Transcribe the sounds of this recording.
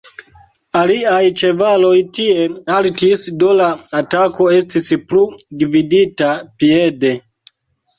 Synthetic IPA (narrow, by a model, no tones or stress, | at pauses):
aliajt͡ʃe̞valo̞jtie̞altisdolaatako̞e̞stispludividitapiede̞